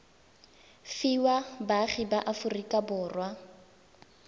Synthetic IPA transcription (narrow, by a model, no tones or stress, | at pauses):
fiwabaχibaʔafʊrikʼabʊːrwa